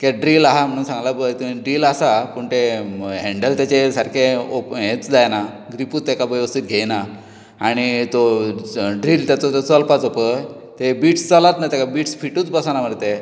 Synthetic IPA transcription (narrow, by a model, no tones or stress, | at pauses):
keɖɾilaɦam̤əɽ̃uːnsãŋɡlabət̪ɖɾiːlasapəɳt̪eɦẽɳɖəlt̪jat͡ɕesaɾkʰeopɦet͡sd͡zajna | ɡɾipuːt̪ːakabəjəst̪it̪̚ɡʱejna | aɽ̃it̪o | ɖɾiːlt̪jat͡sɔt̪ot͡səlpat͡sopə | t̪ebiːʈst͡səlat̪najt̪akabiːʈsfiʈuːt͡sbəsanam̤əɽt̪e